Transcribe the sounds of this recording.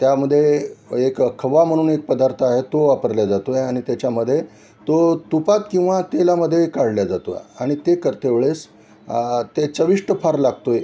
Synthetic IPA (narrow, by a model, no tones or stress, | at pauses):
t̪jaməd̪ʱːjeekəkʰəʋam̤əɽ̃uːnek̚pəd̪aɾt̪ʰəaɦet̪oʋapəɾljad͡zat̪ojeaɽ̃it̪jat͡ɕjaməd̪ʱːje | t̪ot̪upat̪kĩw̃ʋat̪elaməd̪ʱːjekaɽljad͡zat̪o̰aɽ̃it̪ekəɾt̪eʋɭes | t̪et͡səʋiʂʈəpʰaɾlaɡt̪oje